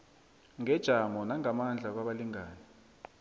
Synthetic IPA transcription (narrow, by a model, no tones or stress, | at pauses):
ŋɛd̥ʒ̥ʱamɔnaŋamand͡ɮʱak̬waɓaliŋaːni